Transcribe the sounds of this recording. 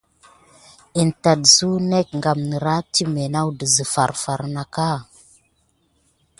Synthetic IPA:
i˨nta˨dzu˦ne˦k̚ŋɡa˨mnə˨ɾa˦ti˦me˨na˦wdə˨zə˨fa˨ɾfa˨ɾna˨ka˦

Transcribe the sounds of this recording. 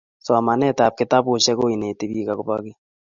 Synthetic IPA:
soa˨ma˨nɛ˦ta˨p̚ke˨ta˦βo˨ʃɛ˦ko˦i˨ne˨te˨βi˦ka˨koβake˦

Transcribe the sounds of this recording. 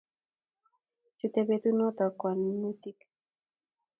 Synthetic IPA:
t͡ʃu˨t̪e˨be˨t̪u˦nɔ˦t̪ɔ˨kwa˨nːu˦t̪i˦k

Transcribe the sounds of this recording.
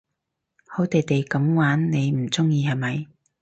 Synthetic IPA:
ho˨˥wt̪e˨jt̪e˨jkɐ˨˥mwaː˨˥nne˨˧jm̩˨˩t͡sʊ˥ŋjiː˧hɐ˨jmɐ˨˧j

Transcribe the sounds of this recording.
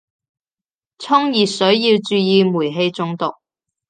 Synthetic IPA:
t͡sʰʊ˥ŋjiː˨tsɵ˨˥ɥjiː˧wt͡ʃyː˧jiː˧muː˨˩jɦe˧jt͡sʊ˧ŋt̪ʊ˨k̚

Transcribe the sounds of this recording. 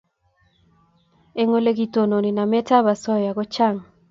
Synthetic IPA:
e˦ŋo˦le˦ɡi˨to˨no˨ni˨na˨mɛ˦ta˦βa˨sɔ˦ja˨ɣo˦t͡ʃa˦˨ŋ

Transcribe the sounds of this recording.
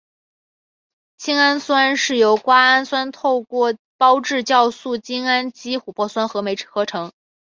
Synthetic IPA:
t͡ɕʰi˥ŋa˥nswa˥nʂɻ̩˥˩jo˧˥ʊkwa˥a˥nswa˥nt̪ʰo˥˧ʊkwɔ˥˩ | pɑ˥ʊʈ͡ʂɻ̩˥˧t͡ɕjɑ˥˧ʊsu˥˩t͡ɕi˥ŋa˥nt͡ɕi˥xu˨˩pwɔ˥˩swa˥nxɤ˧˥me˧˥ɪʈ͡ʂʰxɤ˧˥ʈ͡ʂʰɤ˧˥ŋ

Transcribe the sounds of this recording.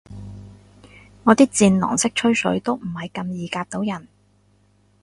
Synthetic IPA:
ŋɔː˨˧t̪iː˥k̚t͡siː˧nlɔ̰˨˩ŋsɪ˥k̚t͡ʃʰɵ˥ɥsɵ̰˨˥ɥt̪o˥wm̩˨˩hɐ˨jkɐ˧mjiː˨˧kaː˧k̚t̪o˨˥wjɐ˨˩n

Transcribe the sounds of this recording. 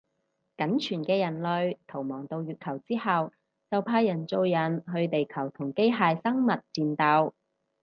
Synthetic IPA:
kɐ˨˥nt͡ʃʰyː˨˩nkɛː˧jɐ˨˩nlɵ˨ɥt̪ʰo˨˩wmɔː˨˩ŋt̪o˧wjyː˨˧t̚kʰɐ˨˩wt͡siː˥hɐ˨w | t͡sɐ˨wpʰaː˧jɐ˨˩nt͡so˧wjɐ˨˩nɦɵ˧ɥt̪e˨jkʰɐ˨˩wt̪ʰʊ˨˩ŋke˥jɦaː˨˧jsɐ˥ŋmɐ˨t̚t͡siː˨˧nt̪aː˧w

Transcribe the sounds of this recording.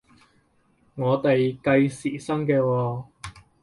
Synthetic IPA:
ŋɔː˨˧t̪e˨jkɐ˧jsiː˨˩sɐ˥ŋkɛː˧wɔː˧

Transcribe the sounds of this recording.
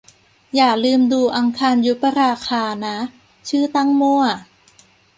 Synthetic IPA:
jaː˨˩k̚lɯː˧mduː˧ʔa˧ŋkʰaː˧nju˦˥pa˧ɾaː˧kʰaː˧na˦˥ | t͡ɕʰɯː˥˩t̪a˥˩ŋmu˥˩ɐ

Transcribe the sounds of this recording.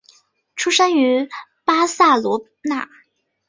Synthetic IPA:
ʈ͡ʂʰu˥ʂa˥ŋy˧˥ | pa˥sa˥˩lwɔ˧˥ | na˥˩

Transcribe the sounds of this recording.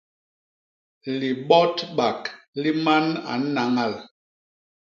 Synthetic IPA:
li˨ɓɔ˦tɓa˨kli˦ma˦na̰˨˦na˨˦ŋa˦˨l

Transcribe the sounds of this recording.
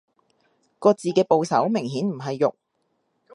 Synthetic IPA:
kɔː˧t͡siː˨kɛː˧po˨˧wsɐ˨˥wmɪ˨˩ŋɦiː˨˥nm̩˨˩ɦɐ˨jːʊ̰˨k̚

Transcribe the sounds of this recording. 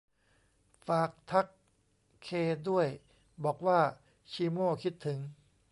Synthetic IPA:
faː˨˩k̚t̪ʰa˦˥kʰː | eː˧du˥˩əj | bɔː˨˩k̚waː˥˩ | t͡ɕʰiː˧moː˥˩kʰi˦˥t̪ʰːɯ˩˦ŋ

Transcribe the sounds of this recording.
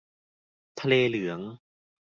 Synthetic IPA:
t̪ʰa˧leː˧lɯ˩˦əŋ

